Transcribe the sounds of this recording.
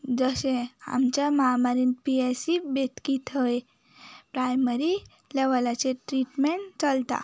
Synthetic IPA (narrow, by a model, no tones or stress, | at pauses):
d͡zəsẽa̰mt͡ɕaməɦamaɾinpiesibet̪kit̪ʰəe | pɾajməɾi | leʋəlat͡seʈɾiʈmeɳʈt͡səlt̪a̰